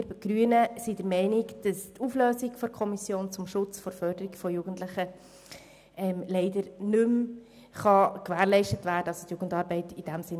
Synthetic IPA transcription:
ɾɡ̥ɾyənəsid̥əɾmɛɪniɡd̥ɑstufløːzikfɔɾkʰɔmisjoːnt͡sʊmʃʊt͡sfɔɾfœɾdəɾiɡfɔjuɡ̥ən̩tlɪχə | ɛmlɛɪdəɾnʏm | χɑkʋæːɾlɛɪʃtətʋæːɾdəɑso̥t̪juɡ̥ən̩dɑːɾbɛɪtid̥æmsɪn

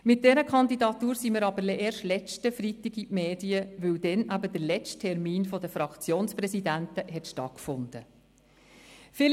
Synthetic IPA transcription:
mɪt̚d̥ɛɾəkʰɑndidɑt̪uːɾsiməɾɑbəlʔeːɾʃtlɛt͡stəfɾitːɪɡiʔmeːdiəʋɵwd̥ɛnʔæbəd̥əɾlɛt͡sttʰɛɾmiːnfɔdəfɾɑkt͡sjoːnspɾɛsidæntəɦɛtʃtɑ̰t̚kfʊnd̥̪ə | fɪl

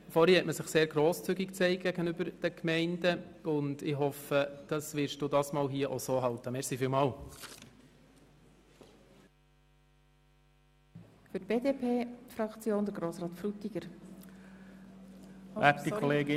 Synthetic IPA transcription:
fɔɾhɛhɛtməsɪχseːɾɡ̥ɾoːst͡sʏɡikt͡sɛɪk̚ɡ̥æɡ̥ənʏbəɾd̥əkmɛɪnd̥əʊndɪɦɔfəd̥ɑsʋɪɾʃtd̥uːdɑːsmɑːlɦiəʔosoːɦɑltəmɛʁsifiːlmɑːl | fʏt̚b̥eːdepʰeːfɾɑkt͡sjoːnd̪əɾɡɾoːsɾɑːt̪fɾut̪ːiɡ̥əɾ | ætikʰɔleːɡɪ

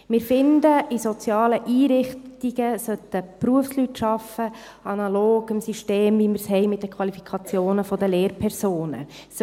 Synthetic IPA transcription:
mɪːɾfɪndəisot͡sjɑːləʔiːɾɪχtiɡ̥əsœt̪əpɾuəfslytʃɑfə | ɑnɑloːɡ̥əmsiʃteːmviməɾshɛɪmɪt̚dəkʰʋɑlifikʰɑt͡sjoːnəfɔd̪əleːɾpʰɛrsoːnə̰ | s

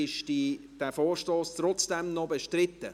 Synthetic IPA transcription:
ɪʃdi | d̥æːfoːɾʃtoːstrɔt͡sd̥ɛmnɔbeʃtrɪt̪ːə

